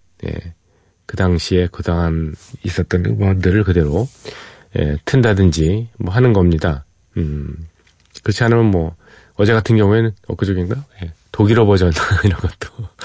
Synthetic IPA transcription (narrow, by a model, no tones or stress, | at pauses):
ne̞̰ | kɯdaŋɕʰie̞kɯdaŋanis͈ʌt̚t͈ʌnɯ̰ɡʌdɯɾɯɭkɯde̞ɾo | jḛtʰɯndadɯnd͡ʑimwʌɦanɯnɡʌmɲida | ɯ | kɯɾʌt͡ɕʰiɦanɯmjʌnmwʌ | ʌd͡ʑe̞ɡatʰɯnɡjʌŋue̞nɯnʌk͈ɯd͡ʑoɡinɡaje̞toɡiɾʌbʌd͡ʑʌnaiɾʌnɡʌt͈̚o̥